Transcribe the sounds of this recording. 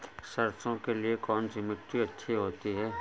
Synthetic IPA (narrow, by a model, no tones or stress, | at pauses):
sɐɾt͡ʃõkeliekɔːnsɪmɪkʈiɐtːʃʰiɦoːt̪iɦɛː